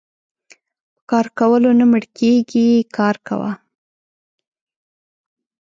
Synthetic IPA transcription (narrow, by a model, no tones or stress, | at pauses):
pə̥kɑɾkawəlonaməɽkeɡikɑɾka̰wa̰